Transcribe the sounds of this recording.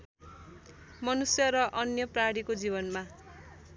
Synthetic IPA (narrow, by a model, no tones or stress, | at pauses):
mʌnusjʌɾʌʔʌnjʌpraɽikod͡zibʌnma